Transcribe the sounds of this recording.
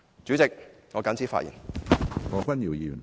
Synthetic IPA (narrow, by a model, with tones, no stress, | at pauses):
t͡syː˨˥t͡sɪ˨k̚ŋɔː˨˧kɐ˨˥nt͡sʰiː˨˥fa̰ː˧tjḭː˨˩nfɔː˨˧kʷɐ˥njiː˨˩wjiː˧jy̰˨˩